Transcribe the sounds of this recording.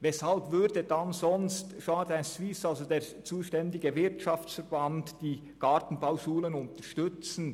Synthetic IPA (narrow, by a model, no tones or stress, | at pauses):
vɛshɑlbvʏɾdədɑnzɔnstʃaːdaɪnswɪsɑlzodeːɾ | t͡suːʃtɛndɪɡəvɪɾtʃɑft͡sfɛɾbɑntd̥iː | ɡ̥ɑtn̩baʊʃuːlənʊntəʃtʏt͡sn̩